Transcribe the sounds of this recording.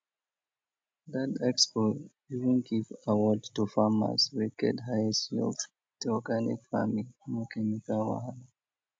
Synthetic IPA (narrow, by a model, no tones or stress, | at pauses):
ðatɛkspɔ | ivə̃nɡivawɔdtufama̰swikɛ̰dɦajsɔ̰v | d̥ɔɡanḭkfa̰mimɔkʰɛnikawa̰l